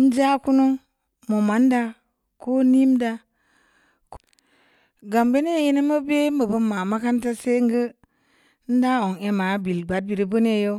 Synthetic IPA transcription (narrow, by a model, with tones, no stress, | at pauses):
n̩˦d͡ʒa˦ku˦nu˦ŋ | mo˨ma˨˦nda˨ | ko˦ni˦mda˨ | k | ɡa˨mbe˦ne˦˨ji˦ni˦mə˦be˦mə˨bə˦ma˨ma˦ka˦nta˦se˦ŋɡə˦ | n̩˦da˦o˨ŋe˨ma˨bi˨lɡ͡ba˨d̚bi˨ɾi˦bu˦ne˦jo˦